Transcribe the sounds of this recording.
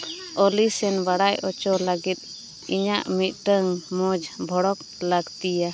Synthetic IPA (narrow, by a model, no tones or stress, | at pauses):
ɔlisɛnbaɽajɔt͡ʃɔlaɡit̪̚ | iɲaʔmit̪̚ˀʈəŋmɔd͡ʒbʱɔɽɔk | laɡt̪ija